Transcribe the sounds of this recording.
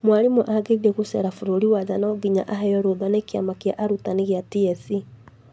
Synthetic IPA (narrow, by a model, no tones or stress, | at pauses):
mwalimuʔaɡeiɾeɣusɛɾafuɾoɾiwaðanɔɡiɲaʔaɦɛjɔɾoðwanekia̰makia̰ʔaɾutaniɣjatiɛθi